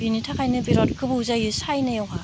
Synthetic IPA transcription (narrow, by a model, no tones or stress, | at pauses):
binitʰakʰajnɯbiɾɔtkʰɯbɯuzajɯsajnɯjɔŋa